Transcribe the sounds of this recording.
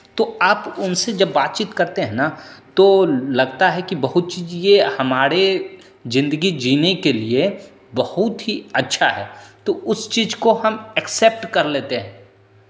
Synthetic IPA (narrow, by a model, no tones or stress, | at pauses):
t̪oaːpʊnsed͡ʒɐbːaːt̪̚t͡ʃiːt̪kɐɾt̪eɦɛ̃nat̪olɐɡt̪aɦɛkibɐɦʊt̪̚t͡ʃiːzjehɐmaːɾe | zɪ̃nd̪əɡid͡ʒiːnekelie | bɐhʊt̪ɦiɐtːʃʰaɦɛ̰ːt̪oʊst͡ʃiːzkoɦɐmɛksɛp̚ʈkɐɾleːt̪eɦɛ̃ː